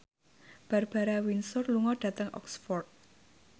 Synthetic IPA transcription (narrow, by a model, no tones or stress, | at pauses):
b̥a̤rb̥a̤ɾawinsʊrluŋɔɖ̥ä̤t̪əŋʔɔ̰ksfɔrt̪̚